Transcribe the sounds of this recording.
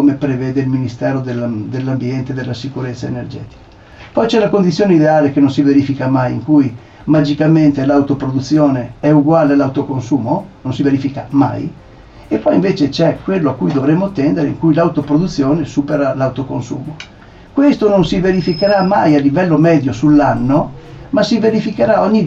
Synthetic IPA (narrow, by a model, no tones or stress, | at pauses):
komepɾevɛːd̪eilminist̪ɛːɾod̪elːd̪elːambjɛnt̪ed̪elːasikuɾet̪sːaenerd͡ʒɛ̰ːt̪i̥ka | pɔjt͡ʃɛnakond̪it̪ːjoːneid̪eaːlekenːonsiveɾifikamajḭŋkuj | mad͡ʒikament̪elawt̪opɾod̪ut̪sːjoːneɛuɡwaːlealawt̪okonsuːmononsiveɾifikama̰j | epːɔjiɱveːt͡ʃet͡ʃɛkːwelːoakːujd̪ovɾemːot̪ːɛnd̪eɾeiŋkujlawt̪opɾod̪ut̪sːjoːnesupeɾalawt̪okonsṵːmo | kwest̪ononsiveɾifikeɾamajalːivɛlːomɛːd̪josulːanːomasiveɾifikeɾaoɲːi